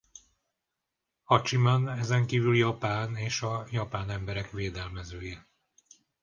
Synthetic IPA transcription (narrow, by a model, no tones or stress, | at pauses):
hɒt͡ʃimanɛzɛŋkiːvyljɒpaːneːʃɒjɒpaːnɛmbɛɾɛkʋeːd̪ɛlmɛzøːjɛ